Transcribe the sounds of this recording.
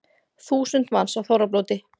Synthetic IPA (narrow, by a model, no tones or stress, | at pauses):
θuːsʏnt̪mansawθowɾaploːwt̪ɪ